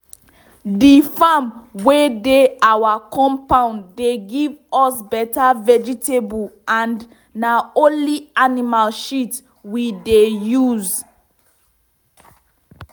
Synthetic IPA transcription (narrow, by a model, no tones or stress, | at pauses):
difamwedeawakʰɔ̃mpãʊ̃nːeɡivɔsbɛtavɛd͡ʒitebulãnd | naõnlianimalʃit | widejuz